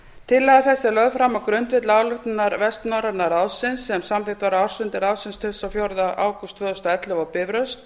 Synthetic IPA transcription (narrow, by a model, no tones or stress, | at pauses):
t̪ʰɪlːaðaθɛsːalœðfɾamːawkɾʏnt̪vɪt̪laːwlʏxt̪nnaɾvɛst̪nawɾaɾnaɾaːwsɪnsːɛmsamvɪt̪vaɾawɾ̥sʏnt̪ɪɾaːwsɪnst̪ʰɪlsawfjoɾðaʔaːwkʏst̪ʰvœːðʏst̪aɛt̪lʏvawpɪvɾœst̪